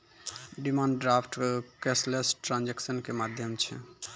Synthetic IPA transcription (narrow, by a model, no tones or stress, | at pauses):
ɖimaɳɖɖɾapʰʈkeslesʈɾãnd͡ʒeksənkemad̪ʱjəmt͡ʃʰɛ̰